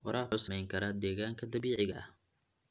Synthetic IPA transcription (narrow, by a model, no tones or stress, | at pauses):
wɑɾaːʊːsɐmɛjŋkʰɐɾɐd̪ɛːɣaːŋkʰɐd̪ɐβiːʕɪɣɐʔɐ̰h